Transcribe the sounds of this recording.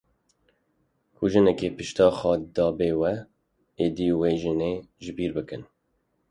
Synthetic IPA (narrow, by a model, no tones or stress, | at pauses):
kʰuʒɨnɛkeːpɨʃt̪ɑːxɑːd̪ɑːbeːwɛ | eːd̪iweːʒɨneːʒɨbiːɾbɨkɨn